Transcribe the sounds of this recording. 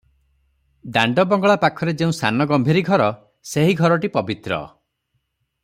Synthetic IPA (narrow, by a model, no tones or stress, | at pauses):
d̪aɳɖɔbɔŋɡɔɭapakʰɔɾed͡ʒeũsanɔɡɔmbʱiɾiɡʱɔɾɔ | seɦiɡʱɔɾɔʈipɔbit̪ɾɔ̰